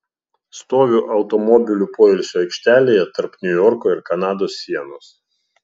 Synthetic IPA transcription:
st̪oːʋʲuʔɐʊt̪ɔmɔbʲɪlʲupoːɪlʲsʲoːɛɪkʃʲt̪ʲæːlʲeːjɛt̪ɐɾpnʲʊjɔɾkoːɪɾkɐnɑːd̪oːsːʲiɛnoːs

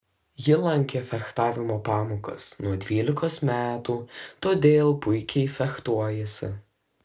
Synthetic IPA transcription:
jɪlˠɐŋʲkʲefʲɛxt̪ɑːʋʲɪmoːpɑːmoːkɐ̰snuɔd̪ʲʋʲiːlʲɪkoːsmʲæːt̪uːt̪oːd̪ʲeːlˠpʊɪkʲɛɪfʲɛxt̪uɔjɛsʲɪ̰

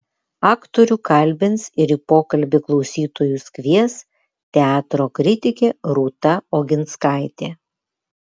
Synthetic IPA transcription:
ɑːkt̪ɔɾʲuːkɐlʲbʲɪnsɪɾiːpoːkɐlʲbʲɪklˠɒʊsʲiːt̪oːjusʲkʲʋʲiɛs | t̪ʲɛɑːt̪ɾoːkɾʲɪt̪ʲɪkʲeːɾuːt̪ɐoːɡʲɪnt̪skɑˑɪt̪ʲeː

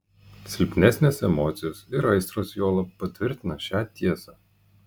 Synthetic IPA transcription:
sʲɪlʲpʲnʲɛsʲnʲeːsɛmɔːt̪sʲɪjoːsɪɾɐɪsɾoːsjoːlˠɐpɐt̪ʲʋʲɪɾʲt̪ʲɪnɐʃʲæːt̪ʲiɛsɑː

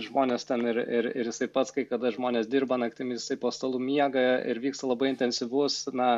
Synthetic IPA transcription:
ʒmoːnʲeːst̪ʲɛnɪɾɪɾɪɾjɪsɐɪpɐt̪skɐɪkɐd̪ɐʒmoːnʲeːsd̪ʲirbɐnɐkt̪ʲɪmʲɪjɪsɐɪpoːst̪ɐlˠuːmʲiɛɡɐɪ̰ɾʋʲiːkst̪ɐlˠɐbɐɪɪnʲtʲɛnʲsʲɪʋʊsnɐ

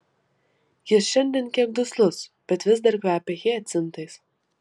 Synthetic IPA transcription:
jɪsʃɛnʲd̪ʲɛnkʲiɛk̚d̪ʊslˠʊsb̥ʲɛt̪vʲɪzd̪aɾkvʲæːpʲɛɣiɐt̪ʲsʲɨnt̪ɨjs

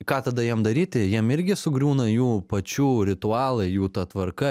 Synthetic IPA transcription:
kɑːt̪ɐd̪ɐjiɛmd̪ɐɾʲiːt̪ʲɪjiɛmɪɾʲɡʲɪsʊɡɾʲuːnɐjuːpɐt͡ʃʲuːɾʲɪt̪ʊɑːlˠɐɪjuːt̪ɑt̪ʋɐɾkɐ

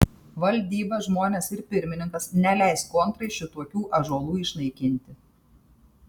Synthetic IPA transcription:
ʋɐlʲd̪ʲiːbɐʒmoːnʲeːsɪɾpʲɪɾʲmʲɪnʲɪŋkɐsnʲɛlʲæɪskunt̪ɾɐɪʃʲɪt̪uɔkʲuːʔɐʒoːlˠuːɪʃnɐɪkʲɪnʲt̪ʲɪ

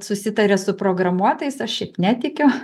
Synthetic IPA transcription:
sʊsʲɪt̪ɐɾʲɛsʊpɾoːɡɾɐmuɔt̪ɐɪsɐʃʃʲɛɪpnʲæːt̪ʲɪkʲʊ

